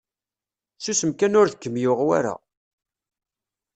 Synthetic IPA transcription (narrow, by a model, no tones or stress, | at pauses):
θusəmkænʊɾðəkːəmjʊʁwa̰ɾa̰